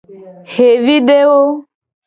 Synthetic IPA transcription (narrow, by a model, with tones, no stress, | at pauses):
he˨vi˦ɖe˦wo˦